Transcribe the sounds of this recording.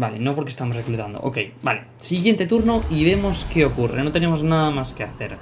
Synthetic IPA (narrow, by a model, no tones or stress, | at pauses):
balḛnõpoɾkest̪amosreklut̪and̪o̰ʔo̰kejbale | siɣjent̪et̪uɾnoiβemoskeokurḛnõt̪enemoznaðamaskeaθeɾ